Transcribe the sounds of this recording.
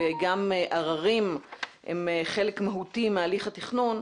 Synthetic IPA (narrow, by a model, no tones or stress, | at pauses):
eɡamʔaʁaʁimhḛmχelekmaɦutimealiχatiχnun